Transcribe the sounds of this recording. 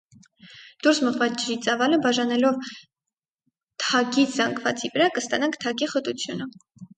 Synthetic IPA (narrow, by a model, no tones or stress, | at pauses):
d̪̥uɾsməʁvɑd͡ʒɾit͡sʼɑvɑləbɑʒɑnɛlɔv | t̪ʰɑɡit͡sʰzɑŋɡvɑ̰t͡sivəɾɑkəst̪ɑnɑŋkʰt̪ʰɑkiχət̪ut͡sʰjunə